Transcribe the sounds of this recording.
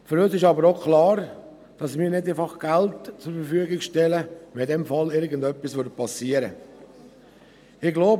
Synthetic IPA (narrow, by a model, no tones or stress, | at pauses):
føɾøsɪʃɑbəɾokʰlɑːɾ | d̥ɑsmɪːɾnɪdafɑχɡ̥altt͡sʊɾfəɾfyːəɡɪkʃtɛləʋɛdɛmfɑlɪɾɡəndœpːisʋʏɾt̚pɑsiːəɾə | ɪɡloʊb